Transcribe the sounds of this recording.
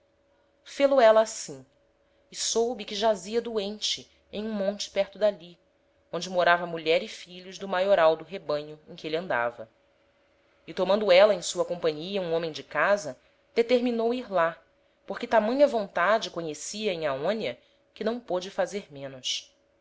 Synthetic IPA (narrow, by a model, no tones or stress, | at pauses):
feloɛlɐːsĩ | ɪsowbɪkɪʒaziɐd̪uẽnt͡ʃɪ | ẽj̃ũmõnt͡ʃɪ̥pɛɾt̪ʊd̪ali | õnd͡ʒɪmoɾavɐmuʎɛɾɪfiʎʊzd̪ʊmajoɾawd̪ʊɦebɐ̃ɲʊẽj̃kʲɪelɐ̃nd̪a̰vɐ | ɪt̪omɐ̃nd̪ʊɛlɐẽj̃suɐkõpɐ̃ɲiɐũõmẽj̃d͡ʒɪkazɐ | d̪̥et̪eɾminowiɾla | poɾkɪt̪amɐ̃ɲʊɐvõnt̪ad͡ʒɪkõɲesiɐẽj̃aõniɐ | kɪnɐ̃w̃pod͡ʒɪfazeɾmẽnʊs